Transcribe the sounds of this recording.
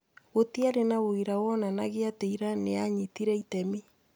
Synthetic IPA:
ɣotiaɾenaɣoiɾawɔnanaɣeateiɾaneaɲitiɾɛitɛmi

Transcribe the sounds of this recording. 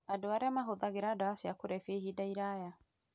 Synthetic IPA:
adoaɾeamaɦoðaɣeɾaːdaasjakoɾɛfehidaiɾaja

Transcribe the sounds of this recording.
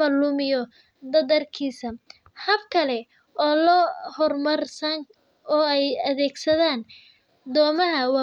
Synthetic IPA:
ɐlʊmɪjɔ | d̪ɐðɐrkʰiːsɐ | hɐbkʰɐlɛ | ʔɔːlɔhɔrmɐrsɐŋ | ɔːɛjɐðɛːɡsɐðaːn | d̪ɔːmɐɦɐwɑː

